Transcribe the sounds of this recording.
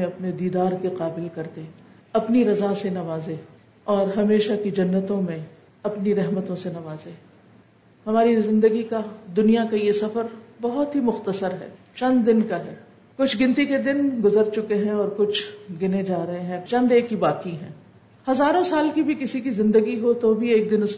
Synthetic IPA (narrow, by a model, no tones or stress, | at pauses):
ẽɐpned̪iːd̪aːɾkeqaːbɪlkɐɾt̪e | ɐpniɾɐzasenɐʋaːze | ɔːɾɦɐmeːʃakid͡ʒɐnːət̪õmẽ | ɐpniɾɛɦmət̪õsenɐʋaːze | hɐmaːɾizɪ̃nd̪əɡikad̪ʊnijakajesɐfəɾbɐɦʊt̪ɦimʊxt̪əsəɾɦɛ̰ː | t͡ʃɐ̃nd̪ːɪnkaɦɛː | kʊt͡ʃʰɡɪ̃nt̪iked̪ɪnɡʊzəɾt͡ʃʊkeɦɛ̃ɔːɾkʊt͡ʃʰɡɪned͡ʒaːɾɐɦeɦɛ̃t͡ʃɐ̃nd̪eːkːibaːkiɦɛ̰̃ː | hɐzaːɾõsaːlkibʱikɪsikizɪ̃nd̪əɡiɦot̪obʱieːk̚d̪ɪnʊs